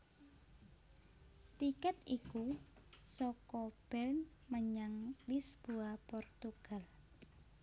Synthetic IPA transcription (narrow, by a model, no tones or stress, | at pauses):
t̪ikɛt̪iku | sɔkɔb̥ɛrnməɲaŋlisb̥oapɔrt̪uɡ̥a̤l